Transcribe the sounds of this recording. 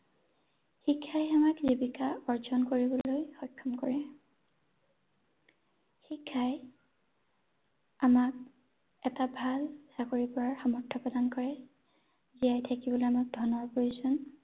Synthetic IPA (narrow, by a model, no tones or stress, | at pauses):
xikʰːajamakzibikaɔɹzɔnkoɹibɔlojxɔjkʰːɔmkɔɹɛ | xikʰːaj | amak̚ | ɛtabʱalsakoɹipɔɹaɹxamɔɹtʰːɔpɔdankɔɹɛ | zijajtʰakibɔlojamak̚dʱɔnɔɹpojuzɔn